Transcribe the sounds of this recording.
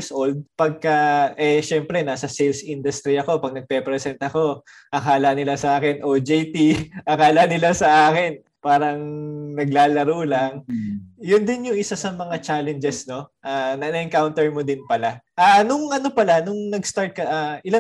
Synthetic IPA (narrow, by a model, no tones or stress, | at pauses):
sʔold̪̚pɐɡ̚kɐʔɛʃɛmpɾɛnaːsɐsɛlsʔind̪ʊst̪ɾiɐko̞pɐɡ̚nɐɡ̚pɛpɾɛsɛnt̪ɐko̞ | ʔɐkaːlɐnɪlasɐʔaːkɪnʔod͡ʒejt̪iʔɐkaːlanɪlasɐʔaːkɪn | paːɾɐŋnɐɡlaːlɐɾolɐŋjʊnd̪ɪnjʊŋʔɪsasɐmɐŋat͡ʃaːlɛnd͡ʒɛsno̞ʔanɐnɐʔɪŋkawnt̪ɛɹmod̪ɪnpɐlaʔanʊŋʔɐno̞pɐlanʊŋnɐɡst̪aɹt̪̚kɐʔaʔɪla